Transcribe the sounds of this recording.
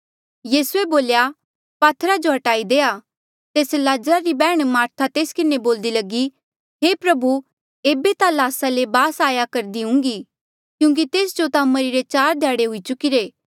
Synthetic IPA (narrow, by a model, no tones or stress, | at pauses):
jiːsueboːlja | paːt̪ʰɾad͡ʒoɦɐʈaːid̪eːa | t̪eːslaːd͡ʒɾaɾibɛːɽ̃maːɾt̪ʰat̪eːskɪneboːld̪ilɐɡi | ɦepɾɐbu | eːbet̪alaːsalebaːsaːjakɐɾd̪iɦʊ̃ŋɡi | kjũːŋk̬it̪eːsd͡ʒot̪amɐɾiɾet͡ʃaːɾd̪ʱjaːɽeɦʊit͡ʃʊkiɾeː